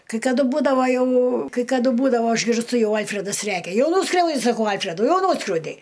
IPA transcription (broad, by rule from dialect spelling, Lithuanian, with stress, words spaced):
kɐɪ kɐˈdʊ buːdɐʋɐ jɛʊ kɐɪ kɐˈdʊ ˈbuːdɐʋoː ɪʒʲɡʲɪrsˈtʊ ˈjɛʊ ˈɐlʲfʲrʲɛdɐs ˈrʲækʲɛ ˈjɛʊ ˈnuːskrʲɛʊdʲɪ sɐˈkɐʊ ˈɐlʲfʲrʲɛdʊ ˈjɛʊ ˈnuːskrʲɛʊdʲɛɪ